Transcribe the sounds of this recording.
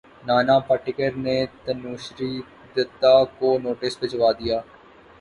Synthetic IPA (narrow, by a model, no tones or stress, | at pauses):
naːnapəʈɪkəɾnet̪ɐnuːʃɾi | d̪ɪt̪ːakonoːʈɪsbɪt͡ʃəʋaːd̪ijaː